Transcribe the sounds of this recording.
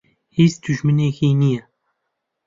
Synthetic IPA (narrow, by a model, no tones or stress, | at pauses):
hizd̪uʒmɨneːxiːnijɛ